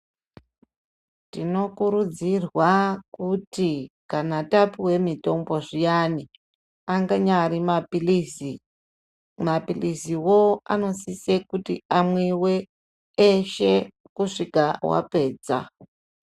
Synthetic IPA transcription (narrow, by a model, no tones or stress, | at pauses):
tino̞kuɾud͡zirwakutikanatapiwe̞mito̞mbo̞ʐijani | aŋɡaɲaɾimapilisi | mapilisiwoa̰no̞sisekutḭamweweː | ʃe | kuʂikawa̰pe̞ːd͡za̰